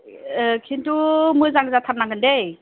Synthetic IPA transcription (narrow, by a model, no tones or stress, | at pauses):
kʰintumɯzaŋzatʰam̚naŋɡɯndej